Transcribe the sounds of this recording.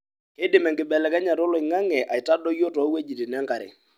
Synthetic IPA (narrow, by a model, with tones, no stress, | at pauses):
ke˦dɪ˨mɛ˨ŋɡɪ˨ɓɛ˨lɛ˨kɛ˦ɲa˨tɔ˦lɔ˨ɪ˨ŋa˦ŋɛ˨ʔa˨ɪ˨ta˦dɔ˦jo˦tɔ˨˦we˦d͡ʒi˨ti˨nɛ˦ŋka˨ɾɪ̰˨